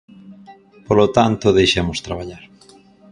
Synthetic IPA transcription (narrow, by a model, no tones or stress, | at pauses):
polot̪ant̪ʊðejʃemʊst̪ɾaβ̞aʎaɾ